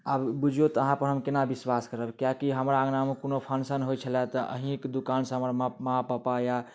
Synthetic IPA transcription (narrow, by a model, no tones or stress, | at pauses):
abbud͡ʒʱjot̪əɦãpəɾɦəmkenabiswaskəɾəbkjakiɦəmɾaɡnamekonopʰənsənɦojt͡ʃʰəlat̪əʔə̰ɦĩkd̪ukansə̃ɦəmɾməɦapapaja